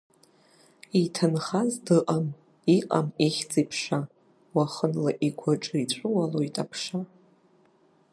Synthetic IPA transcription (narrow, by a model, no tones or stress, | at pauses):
itʰɨnχazdɨqʼam | iqʼa̰miχʲt͡sʼipʰʂa | waχənlaʔiɡʷʰaʈ͡ʂʼɨit͡ɕʷʼʊwalo̞jtʼapʰʂa